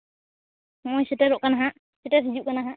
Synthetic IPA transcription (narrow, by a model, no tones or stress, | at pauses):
ŋɔjsɛʈɛɾɔʔkanaɦaʔ | sɛʈɛsid͡ʒuʔkanaɦaʔ